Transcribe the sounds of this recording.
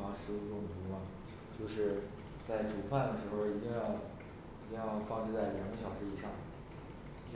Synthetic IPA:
ɑ˧˥ŋʂɻ̩˧˥u˧˥ʈ͡ʂʊ˥˩ŋ˩u˧˥mɐ˨˧ | t͡ɕjo˥˧ʊʂɻ̩˥˧ | t͡sa˥˩ɪʈ͡ʂu˨˩pʰa˥˩nd̪ə˩ʂɻ̩˧˥xo˧ʊi˨˩t̪i˥˧ŋjɑ˥˩ʊ | i˨˧˩t̪i˥˧ŋjɑ˥˧ʊfɑ˥˧ŋʈ͡ʂʰɻ̩˥˧t͡sa˥˩ɪljɑ˨˩ŋɡə˥ɕjɑ˨˩ʊʂɻ̩˧˥i˧˥ʂɑ˥˩ŋ˧˥

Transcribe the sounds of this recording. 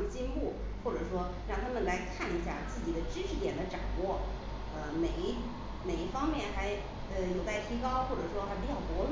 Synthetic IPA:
mə˧t͡ɕi˥˧npu˥˩ | xwɔ˥˩ʈ͡ʂɤ˨˩ʂwɔ˥ | ɻɑ˥˩ŋt̪ʰa˥mə˨nla˧˥ɪkʰa˥˩ni˧˥ɕja˥˩t͡sɹ̩˥˩t͡ɕi˨˩d̪ə˦ʈ͡ʂɻ̩˥ʈ͡ʂʰɻ̩˧˥t̪jɛ˨˩nd̪ə˦ʈ͡ʂa˨˩ŋwɔ˥˩ | ə˧me˨˩ɪ˥ | me˨˩ɪi˥˩fɑ˥ŋmjɛ˥˩nxa˧˥ɪ | ə˧jo˨˩ʊt͡sa˥˩ɪt̪ʰi˧˥kɑ˥ʊxwɔ˥˩ʈ͡ʂɤ˨˩ʂwɔ˥xa˧˥ɪp̬i˧˥t͡ɕjɑ˥˩ʊp̪wɔ˧˥l

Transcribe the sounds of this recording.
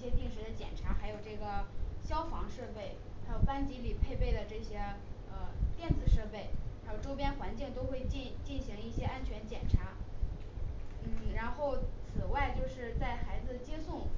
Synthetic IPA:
i˥˩ɕjɛ˥t̪i˥˩ŋʂ̬ɻ̩˧˥d̪ə˧t͡ɕjɛ̰˨˩nʈ͡ʂʰa˧˥xa˧˥ɪjo˨˩ʊʈ͡ʂɤ˥˩ɡə˩ɕjɑ˥ʊfɑ˧˥ŋʂɤ˥˧pe˥˩ɪ | xa˧˥ɪjo˨˩ʊpa˥nt͡ɕi˧˥li˨˩pʰe˥˧ɪpe˥˩ɪd̪ə˩ʈ͡ʂɤ˥˩ɕjɛ˥ə˧t̪jɛ˥˩nd͡zɹ̩˨˩ʂɤ˥˧pe˥˩ɪɻa˧˥jo˨˩ʊʈ͡ʂo˥ʊp̬jɛ˥nxwa˧˥nt͡ɕi˥˩ŋt̪o˥ʊxwe˥˧ɪt͡ɕi˥˧nt͡ɕi˥˩nɕi˧˥ŋi˥˩ɕjɛ˥a˥nt͡ɕʰɥɛ˧˥nt͡ɕjɛ̰˨˩nʈ͡ʂʰa˧˥ | n̩˥˩ɻa˧˥nxo˥˩ʊt͡sʰɹ̩˨˩wa˥˧ɪt͡ɕjo˥˧ʊʂɻ̩˥˧t͡sa˥˩ɪxa˧˥ɪd͡zɹ̩˧t͡ɕjɛ˥sʊ˥˩ŋ

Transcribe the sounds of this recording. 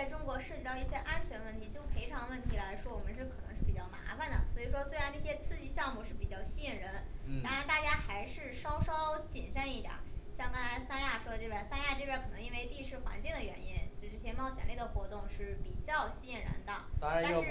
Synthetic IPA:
t͡sa˥˩ɪʈ͡ʂʊ˥ŋkwɔ˧˥ʂɻ̩˥˩t͡ɕi˧˥t̪ɑ˥˧ʊi˥˩ɕjɛ˥ʔa˥nt͡ɕʰɥɛ˧˥nwə˥˩nt̪ʰi˧˥t͡ɕjo˥˩ʊpʰe˧˥ɪʈ͡ʂʰɑ˧˥ŋwə˥˩nt̪ʰi˧˥la˧˥ɪʂwɔ˥wɔ˨˩mə˦ʂɻ̩˥˩kʰɤ˨˩nɤ˧˥ŋʂɻ̩˥˩pi˨˩t͡ɕjɑ˥˩ma̰˧˥fa˨˩nd̪ə̰˩swɔ˧˥i˨˩ʂwɔ˥swe˥ɪɻa˧˥nʈ͡ʂɤ˥˩ɕjɛ˥t͡sʰɹ̩˥˧t͡ɕi˥˧ɕjɑ˥˧ŋmu˥˧ʂɻ̩˥˩pi˨˩t͡ɕjɑ˥˩ʊɕi˥i˥˩nɻə˧˥nt̪ɑ˥ŋɻa˧˥nt̪a˥˩t͡ɕja˥xa˧˥ɪʂɻ̩˥˩ʂɑ˥ʊʂɑ˥ʊt͡ɕi˨˩nʂə˥˧ni˥˩t̪ja̰˨˩˦ɕjɑ˥˩ŋk̪ɤ˥nt̪a˧˥ɪsa˥nja˥˩ʂwɔ˥t̪e˥˩ə˧˩sa˥nja˥˧ʈ͡ʂɤ˥˧ʈ͡ʂə˥˩kʰɤ˨˩nɤ˧˥ŋi˥nwe˥˧ɪt̪i˥˧ʂɻ̩˥˩xwa̰˧˥nt͡ɕi˥˩ŋd̪ə˩ɥɛ̰˧˥ni˥nt͡ɕjo˥˧˥ʈ͡ʂɤ˥˩ɕjɛ˥mɑ˥˩ʊɕjɛ̰˨˩le˥˩ɪd̪ə˩xwɔ˧˥t̪ʊ˥˧ŋʂɻ̩˥˩pi˨˩t͡ɕjɑ˥˧ʊɕi˥i˥˩ɻə̰˧˥nd̪ə˧˥˧a˥˧ʂ

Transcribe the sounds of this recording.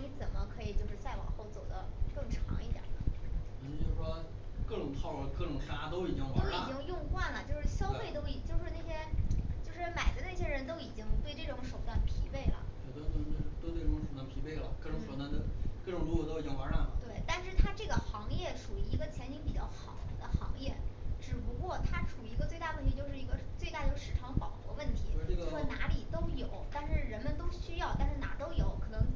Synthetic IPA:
ni˧˥t͡sə˨˩nmə˦kʰɤ˧˥i˨˩t͡ɕjo˥˧ʊʂɻ̩˥˧t͡sa˥˩ɪwɑ̰˨˩ŋxo˥˩ʊt͡so˨˩ʊd̪ə˦kɤ˥˩ŋʈ͡ʂʰɑ̰˧˥ŋi˥˩t̪jə̰˨˩nə̰˦ə˧˩˥t͡ɕjo˥˧ʊʂʂɔ˥ | kɤ˥˩ʈ͡ʂʊ˨˩ŋt̪ʰɑ˥˩˧ʊlkɤ˥˩ʈ͡ʂʊ˨˩ŋʂa˥t̪o˥ʊi˨˩t͡ɕi˥ŋw̪o˥ʊi˨˥˧t͡ɕi˥ŋjʊ˥˧ŋxwa˥˩nlə˩t͡ɕjo˥˧ʊʂɻ̩˥˩ɕjɑ˥ʊfe˥˩ɪt̪̬o˥ʊi˨˩t͡ɕjo˥˧ʊʂɻ̩˥˧ne˥˩ɕjɛ˥t͡ɕjo˥˧ʊʂɻ̩˥˩ma˨˩ɪd̪ə˦ne˥˩ɕ̬jɛ˥ɻə˧˥nt̪o˥ʊi˨˩t͡ɕi˥ŋt̪we˥˧ɪʈ͡ʂɤ˥˩ʈ͡ʂʊ˧˥ŋʂo˨˩ʊt̪wa˥˩npʰi˧˥pe˥˩ɪlə̰˩˨˩t͡ɕɥɛ˧˥d̪ə˧t̪o˥˧˥t̪ʊt̪we˥˧ɪjʊ˥˩ŋʂt̪wa˥˧npʰi˧˥pe˥˩ɪlə̰˩kɤ˥˧˩ʈ͡ʂʊ˨˩ŋʂwɔ˧˥t̪a˥nd̪ə˩kɤ˥˩ʈ͡ʂʊ˨˩ŋɻu˧˥kwɔ˨˩t̪o˥ʊi˨˩t͡ɕi˥ŋwa˧˥la̰˥˩˧t̪we˥˩ɪt̪a˥˧nʂɻ̩˥˩t̪ʰa˥ʈ͡ʂɤ˥˩ɡə˩xɑ˧˥ŋjɛ˥˩ʂu˨˩i˧˥i˧˥ɡə˧t͡ɕʰjɛ˧˥nʰi˧˥ŋpi˨˩t͡ɕjɑ̰˥˩ʊxɑ˨˩ʊtʰd̪ə˧xɑ̰˧˥ŋjɛ˥˩ʈ͡ʂɻ̩˨˩pu˧˥kwɔ˥˩t̪ʰa˥ʈ͡ʂʰu˨˩˧i˧˥ɡə˧t͡swe˥˧t̪a˥˩˧wə˥˩nt̪ʰi˧˥t͡ɕjo˥˧ʊʂɻ̩˥˩i˧˥ɡə˧t͡swe˥˧t̪a˥˧t͡ɕjo˥˧ʊʂʂɻ̩˥˩ʈ͡ʂʰɑ˧˥ŋpɑ˨˩ʊxwɔ̰˧˥wə˥˩nt̪ʰi˧˥˩ɡna˧˥li˨˩t̪o˥ʊjo˨˩˦ʊt̪a˥˧nʂɻ̩˥˩ɻə˧˥nmə˧nt̪o˥ʊɕy˥jɑ˥˩ʊt̪a˥˧nʂɻ̩˥˩na̰˨˩t̪o˥ʊjo˧˩˦ʊkʰɤ˨˩nɤ˧˥ŋ

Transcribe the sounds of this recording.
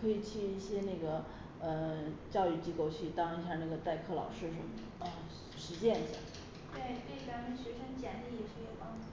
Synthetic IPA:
kʰɤ˧˥i˨˩t͡ɕʰy˥˧˩i˥˩ɕjɛ˥ne˥˩ɡə˩ | ə˧t͡ɕjɑ˥˧ʊy˥˩t͡ɕi˥ko˥˧ʊt͡ɕʰy˥˩t̪ɑ˥ŋi˧˥ɕ̬jɑ˥˧na˥˩ɡə˩t̪a˥˧ɪkʰɤ˥˩lɑ̰˨˩ʊʂɻ̩˥˩ʂə˧˥nmə˩ | ə˧ | ʂɻ̩˧˥ɕjɛ˥˧ni˧˥ɕja̰˥˩ | t̪we˥˩ɪt̪e˥˩t͡sa˧˥mə˧nɕɥɛ˧˥ʂə˥nt͡ɕjɛ˧˥nd̪ə˧ji˧˥˩ʂɤ˥jo˨˩ʊpɑ˥ŋu˥˩

